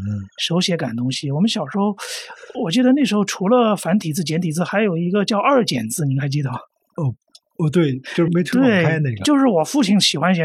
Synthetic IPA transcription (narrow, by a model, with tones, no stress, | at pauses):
ʂo˧˥ʊɕjɛ˧˥ka̰˨˩nt̪ʊ˥ŋɕi˨wɔ˨˩mə˦nɕjɑ˨˩ʊʂɻ̩˧˥xo˥ʊwɔ˨˩t͡ɕi˥˩d̪ə˧na˥˩ʂɻ̩˧˥xo˧ʈ͡ʂʰu˧˥lə˧fa˧˥nt̪ʰi˨˩t͡sɹ̩˥˩t͡ɕjɛ˧˥nt̪ʰi˨˩t͡sɹ̩˥˧xa˧˥ɪjo˨˩ʊi˧˥ɡə˧t͡ɕjɑ˥˧ʊʔə˞˥˩t͡ɕjɛ̰˨˩nt͡sɹ̩˥˩ni˨˩ŋkʰa˧˥ɪt͡ɕi˥d̪ə˨˩˥ | t̪we˥˩ɪjo˥˧˥me˧˥ɪt̪ʰt̪we˥˩ɪa˥ɪne˥˩ɡjo˥˧ʂɻ̩˥˩wɔ˨˩fu˥˩t͡ɕʰi˧˥˩nɕi˨˩xwa˥nɕɛ˧˥